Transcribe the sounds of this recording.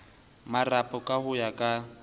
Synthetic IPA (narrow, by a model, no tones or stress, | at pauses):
marapʼɔkʼahʊjakʼa